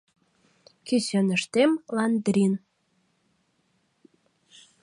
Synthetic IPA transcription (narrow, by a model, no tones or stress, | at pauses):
kisønəʃt̪emlɑnd̪ɾʲin